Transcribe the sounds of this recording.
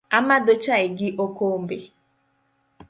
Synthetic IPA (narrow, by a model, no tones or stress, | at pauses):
amadot͡ʃaɪɡɪʔokombe